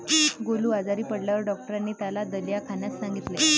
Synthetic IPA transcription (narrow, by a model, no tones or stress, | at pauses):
ɡoluːad͡zaɾiːpəɽljaʋəɾɖɔk̚ʈəɾanːiːt̪jalad̪əljakʰanjassaŋɡit̪le